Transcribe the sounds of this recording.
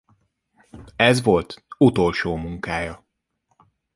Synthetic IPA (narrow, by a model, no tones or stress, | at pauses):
ɛzʋo̞lt̪ut̪o̞lʃoːmuŋkaːjɒ